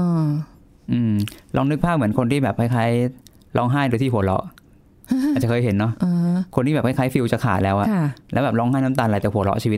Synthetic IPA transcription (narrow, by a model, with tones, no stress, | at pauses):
ʔː | ʔɯː˧mlɔː˧˥˩ŋnɯ˦˥k̚pʰaː˥˩mɯ˩˦ənkʰo˧nt̪ʰiː˥˩bɛː˨˩p̚kʰa˥˩jkʰaː˦˥˩j | lɔː˦˥˩ŋɦaː˥˩jɾɯ˧t̪ʰiː˥˩hu˩˦lɔ̰˦˥ʔ | ʔa˨˩t͡ɕa˨˩kʰɤː˧jɦe˩˦nːɔ˦˥ʔʔːkʰo˧nt̪ʰiː˥˩ɛː˨˩kʰa˦˥˩kʰaː˦˥jfi˧wt͡ɕa˨˩kʰaː˨˩t̪̚lɛː˦˥wʔa˨˩˥lɛ̰˦˥bɛː˨˩p̚lɔː˦˥˩ŋɦaː˥˩jna˦˥t̪aː˧nla˨˩t͡ɕaː˨˩hu˨˩˦lɔ̰˦˥t͡ɕʰiː˧wi˦˥